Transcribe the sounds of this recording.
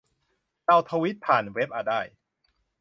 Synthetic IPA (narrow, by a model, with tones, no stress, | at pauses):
ka˧wt̪ʰa˧wi˦˥t̪̚pʰaː˨˩nwe˦˥p̚ʔa˨˩daː˥˩j